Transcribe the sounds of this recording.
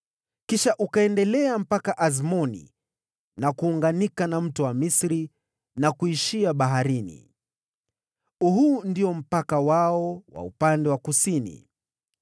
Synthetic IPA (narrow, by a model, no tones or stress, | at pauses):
kiʃaʔukaɛndɛlɛam̩pakaʔazmɔnḭ | nakuːŋɡanikanam̩tɔwamisɾi | nakuiʃiaɓaɦaɾinḭ | uɦundiɔm̩pakawaɔwa̰ṵpandɛwakusinḭ